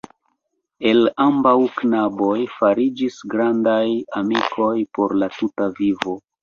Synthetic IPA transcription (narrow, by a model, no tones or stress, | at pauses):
e̞lambawknabo̞jfaɾid͡ʒisɡɾandajamikʰo̞jpo̞ɾlatutavivo̞